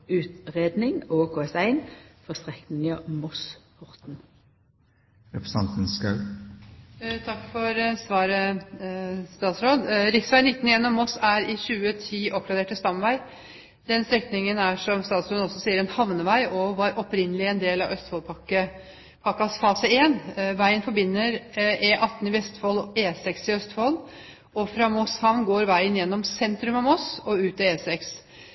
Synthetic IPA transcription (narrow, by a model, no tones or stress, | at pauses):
ʉːt̪ʁeːd̪nɪŋoːkʰoːɛsæɪnfɔʁst̪ʁɛknɪŋɑmɔspʰɔʁt̪n | ɾɛpɾəsɑnt̪n̩skɑʉ | t̪ʰɑkːfɔɾsʋɑːɾə | st̪ɑːt̪sɾoːd̪ɾɪksʋæɪnɪt̪ːn̩ɪeːnːɔmɔsæɾɪɕʉːət̪ʰiːʔɔp̚ɡɾɑd̪eːʈəst̪ɑmʋæɪ | d̪ɛnst̪ɾɛkt̪nɪŋənæʂɔmst̪ɑːt̪sɾoːd̪ɔsːɔsiːəɾɛnhɑʋnəʋæɪʔɔʋɑɾʔɔpɾɪnəlɪɛnd̪eːlɑ̰ʋœst̪fɔlpʰɑkə | pʰɑkːɑsfɑːsəeːnʋæɪənfɔɾbɪnːəɾʔeːʔɑt̪ːn̩ɪʋɛst̪fɔleːsɛksɪœst̪fɔl | ɔfɾɑːmɔshɑʋnɡoːɾʋæɪənjɛnːɔmsɛnt̪ɾʉmɑmɔsɔʉːt̪ɑeːsɛks